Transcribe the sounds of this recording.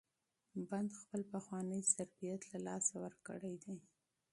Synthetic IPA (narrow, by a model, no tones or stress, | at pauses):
band̪xpəlpaxwɑnəjzaɾbijat̪lalɑsawəɾkə̰ɽajd̪e